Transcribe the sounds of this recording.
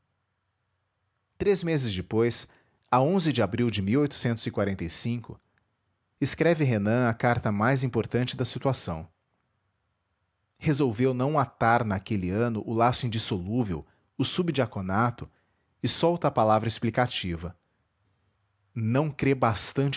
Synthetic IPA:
t̪ɾezmezɪzd͡ʒɪpojs | aõzɪd͡ʒɪabɾiwd͡ʒɪmiwojt̪ʊ̥sẽnt̪ʊzɪkwaɾẽnt̪ejsĩkʊ | ɪskɾɛvɪɦenɐ̃ɐkaɾt̪ɐmajzĩpoɾt̪ɐ̃nt͡ʃɪd̪ɐsit̪uasɐ̰̃w̃ | hezowvewnɐ̃w̃at̪aɾnakelɪɐ̃nʊʔʊlasʊĩd͡ʒisoluvew | ʊsubd͡ʒiakonat̪ʊ | ɪsɔwt̪ɐaːpalavɾɐɪsplikat͡ʃivɐ | nɐ̃w̃kɾebast̪ɐ̃nt͡ʃ

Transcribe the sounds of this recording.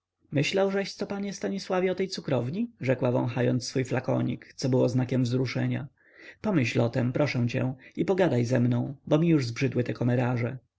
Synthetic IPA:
mɘɕlawʐɛɕt̪sɔpaɲɛst̪aɲiswavʲɛɔt̪ɛjt̪sukɾɔvɲiʐɛkwavɔ̰̃w̃xajɔ̰nt̪sfujflakɔ̰ɲḭkt̪sɔbɘwɔznakʲɛmvzɾuʂɛɲa̰ | pɔmɘɕlɔt̪ɛmpɾʔɔʂɛw̃t͡ɕɛ̰̃ipɔɡad̪ajzɛmnɔ̃w̃bɔmʲijuʐzbʐɘd̪wɘt̪ɛkɔmɛɾaʐɛ

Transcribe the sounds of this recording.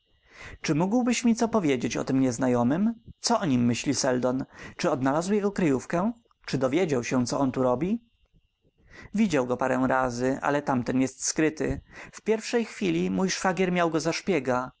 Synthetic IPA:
t͡ʂɘmuɡwbɘɕmʲit̪sɔpɔvʲjed͡ʑet͡ɕɔ̰t̪ɘmɲɛznajɔmɘmt̪sɔɔɲimːɘɕlʲisɛld̪ɔnt͡ʂɘɔd̪nalazwjɛɡɔkɾɘjufkɛ | t͡ʂɘd̪ɔvʲjed͡ʑawɕɛ̃t̪sɔɔnt̪uɾɔbʲi | vʲid͡ʑawɡɔpaɾɛ̃w̃ɾazɘʔa̰lɛt̪amt̪ɛnjɛst̪skɾɘt̪ɘ̰fpʲjɛɾfʂɛjxfʲilʲimujʂfaɡʲjɛɾmʲjawɡɔzaʂpʲjɛɡa

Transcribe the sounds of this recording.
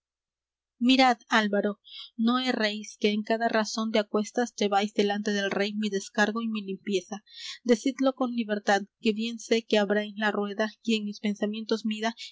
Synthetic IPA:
miɾaðalβaɾo̞no̞eraiske̞ːŋkaðaraso̞nd̪eakwe̞st̪asd͡ʒe̞βajzðe̞lant̪eðe̞lre̞jmiðe̞skaɾɣo̞imilimpje̞sad̪e̞siðlo̞ko̞nliβe̞ɾt̪aðke̞βje̞nse̞ke̞aβɾajlarwe̞ðaie̞ŋmispe̞nsamje̞nt̪o̞zmiða

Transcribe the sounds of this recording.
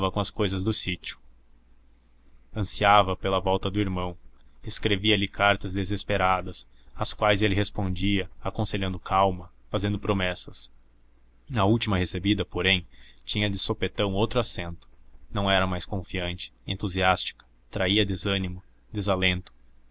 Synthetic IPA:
vɐkõɐskojzɐzd̪ʊsit͡ʃiʊ̥ | ɐ̃siavɐpelɐvɔwt̪ɐd̪ʊiɾmɐ̃w̃eskɾeviɐlɪkʰaɾt̪ɐzd̪ezespeɾad̪ɐsɐskwajzelɪɦespõnd͡ʒiɐakõseʎɐ̃nd̪ʊkʰawmɐfazẽnd̪ʊpɾomɛsɐs | ɐuwt͡ʃimɐhesebid̪ɐpoɾẽj̃t͡ʃĩɲɐd̪ɪsopet̪ɐ̃w̃owt̪ɾʊasẽnt̪ʊ̥nɐ̃w̃ɛɾɐmajskõfiɐ̃nt͡ʃɪ̥ẽnt̪uziast͡ʃi̥kɐ̥ | t̪ɾaiɐd̪ezɐ̃nimʊ | d̪ezalẽnt̪ʊ̥

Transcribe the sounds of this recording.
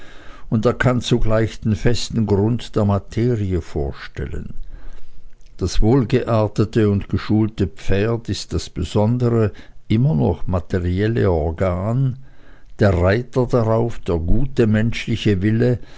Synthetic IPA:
ʊndeːɐkʰant͡suɡlaɪçd̥enfɛstn̩ɡʁʊntd̥eːɐmatʰeːʁiəfoːɐʃtɛ̰lə̰n | d̥asv̥oːlɡəʔaɐtətəʊntɡ̥əʃuːltəp͡feːɐtɪst̚d̥asb̥əzɔndəʁəʔɪmɐnɔ̰χmatʰeʁiɛlə̰ɔɐɡaːn | d̥eːɐʁaɪtɐdaʁaʊfd̥eːɐɡuːtəmɛnʃlɪçəvɪlə

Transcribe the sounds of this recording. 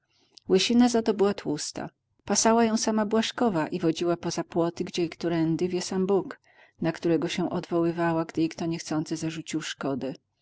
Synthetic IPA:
wɘɕinazat̪ɔbɘwat̪wust̪a̰ | pasawajɔ̃w̃samabwaʂkɔvaʔivɔd͡ʑiwapɔzapwɔt̪ɘɡd͡ʑɛikt̪uɾɛnd̪ɘvʲjɛsambuk | nakt̪uɾɛɡɔɕɛ̃ʔɔd̪vɔwɘvawaɡd̪ɘikt̪ɔɲɛxt̪sɔnt̪sɘzaʐut͡ɕiwʂkɔd̪ɛ

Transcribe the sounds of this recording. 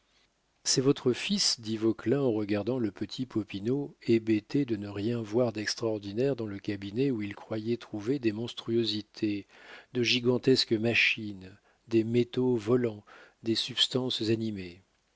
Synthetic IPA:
sɛvɔt̪χəfisd̪ivɔklɛ̃ɑ̃ʁəɡaʁd̪ɑ̃ləpət̪ʰipʰɔpinoebet̪ed̪ənəʁjɛ̃vwaʁd̪ɛkst̪χaɔʁd̪inɛʁd̪ɑ̃ləkʲabineuilkχwajɛt̪χuved̪emɔ̃st̪χyozit̪ʰed̪əʒiɡɑ̃t̪ɛskəmaʃin | d̪emet̪ovɔlɑ̃d̪esypst̪ɑ̃szanime

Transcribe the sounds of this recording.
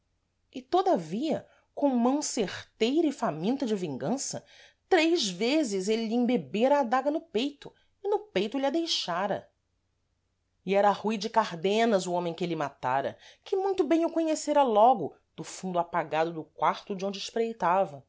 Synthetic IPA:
ɪt̪od̪ɐviɐ̰ | kõw̃mɐ̃w̃seχt̪ejɾɐɪfamĩnt̪ɐd͡ʒɪvĩŋɡɐ̃sɐ | t̪ɾejzvezɪzelɪlɪẽbebeɾɐːd̪aɡɐnʊpejt̪ʊ | ɪnʊpejt̪ʊlɪɐd̪ejʃaɾɐ̰ | ɪɛɾɐːhujd͡ʒɪkaɾd̪ẽnɐzʊõmẽj̃kɪelɪmat̪a̰ɾɐ̰kɪmũj̃t̪ʊbẽj̃ʊkõɲeseɾɐlɔɡʊ | d̪ʊfũd̪ʊapaɡad̪ʊd̪ʊkwaɾt̪ʊd͡ʒɪõd͡ʒɪʃpɾejt̪avɐ

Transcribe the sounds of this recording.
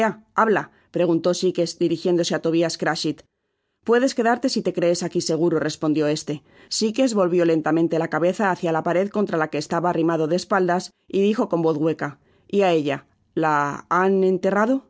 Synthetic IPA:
aaβla | pɾe̞ɣ̞unt̪o̞sike̞zd̪iɾixje̞nd̪o̞seat̪o̞βiaskɾaʃit̪ | pwe̞ðe̞ske̞ðaɾt̪e̞sit̪e̞kɾe̞ːsakise̞ɣ̞uɾore̞spo̞nd̪jo̞e̞st̪e̞ | sike̞zβo̞lβjo̞le̞nt̪amẽnt̪e̞lakaβe̞θaːθjalapaɾe̞ðko̞nt̪ɾalake̞ːst̪aβaːrimaðo̞ðeːspald̪as | iðixo̞ko̞mbo̞θɣwe̞ka | iae̞ʎa | laane̞nt̪e̞raðo̞

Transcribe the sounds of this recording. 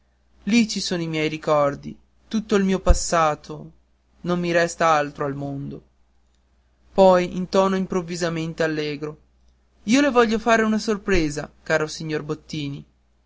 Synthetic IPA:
lit͡ʃisoːnoimjɛjɾikɔrd̪ḭ | t̪ut̪ːoilmiːopasːaːt̪ʰo | nomːiɾɛst̪aalt̪ɾoalmond̪o | pɔjint̪ɔːnoimpɾovːizament̪ealːɛːɡɾo | iːolevɔʎːofaːɾeunasorpɾeːzakaːɾosiɲːorbot̪ːiːni

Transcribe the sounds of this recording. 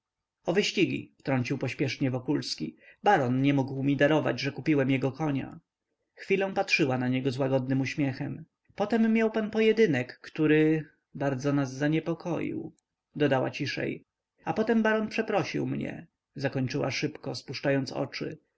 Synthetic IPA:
ɔvɘɕt͡ɕiɡʲḭft̪ɾɔɲt͡ɕiwpɔɕpʲjɛʂɲɛvɔkulskʲibaɾɔnɲɛmuɡwmʲid̪aɾɔva̰d͡ʑʐɛkupʲiwɛmjɛɡɔkɔɲa̰ | xfʲilɔ̃w̃patʂɘwanaɲɛɡɔzwaɡɔd̪̚nɘmuɕmʲjɛxɛm | pɔt̪ɛmːʲjawpanpɔjɛd̪ɘnɛkːt̪uɾɘ | baɾd̪zɔnazːaɲɛpɔkʰɔjḭw | d̪ɔd̪awa̰t͡ɕiʂɛ̰j | apɔt̪ɛmbaɾɔnpʂɛpɾɔɕḭwmɲɛ̰ | zakɔɲt͡ʂɘwa̰ʂɘpkɔspuʂt͡ʂajɔnt̪sɔ̰t͡ʂɘ̰

